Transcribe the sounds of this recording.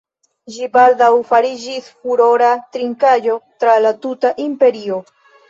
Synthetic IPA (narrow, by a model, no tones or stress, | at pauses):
d͡ʒibaldawfaɾid͡ʒisfuɾo̞ɾatɾiŋkad͡ʒo̞tɾalatutaʔimpe̞ɾio̞